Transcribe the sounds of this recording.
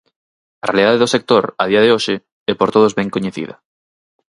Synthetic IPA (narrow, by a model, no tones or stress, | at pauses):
arealiðaðeðosek̚t̪oɾaðiaðeoʃɪ | ɛpoɾt̪oðozβɛŋkoɲeθḭðɐ̰